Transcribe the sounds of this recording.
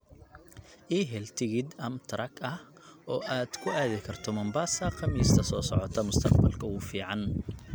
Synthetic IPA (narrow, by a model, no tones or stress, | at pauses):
ʔiːɦɛlt̪ʰɪɣɪd̪ɐmt̪ʰɾɐɡʰɐh | ɔːʔaːd̪̥kʰʊaːðɪkʰɐrt̪ʰɔmɐmbaːsɐqʰɐmiːst̪ʰɐsɔːsɔʕɔt̪ʰɐmʊst̪ʰɐqbɐlkʰɐʊːfiːʕɑn